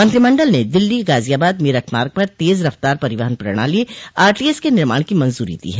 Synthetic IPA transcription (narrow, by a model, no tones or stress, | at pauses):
mɐ̃nt̪ɾimɐ̃ɳɖəlned̪ɪlːiɡaːzijaːbaːd̪mɪɾəʈʰmaːɾɡ̚pɐɾt̪eːzɾɐft̪aːɾpɐɾɪʋaɦənpɾɐ̰ɽ̃a̰lieaːɾʈiːeskenɪɾma̰ːɽ̃kimɐ̃nzuːɾḭd̪ḭɦɛː